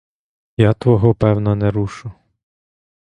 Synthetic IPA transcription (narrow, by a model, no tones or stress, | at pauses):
jat̪ʋɔɦɔpɛwnɐnɛɾuʃʊ